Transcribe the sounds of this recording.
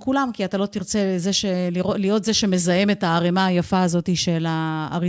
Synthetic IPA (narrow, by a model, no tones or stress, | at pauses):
kulamkiat̪alo̞t̪iʁt͡se̞ze̞ʃeliʁolijo̞tze̞ʃe̞me̞zajeme̞taːʁemaajafaːzo̞tiʃe̞la̰ːʁi